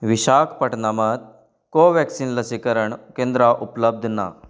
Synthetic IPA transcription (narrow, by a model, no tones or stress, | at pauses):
ʋiɕakʰpəʈnamət̪̚ | koʋɛksiːnləsikəɾəɳkẽnd̪ɾaʔupləb̚d̪ʱna̰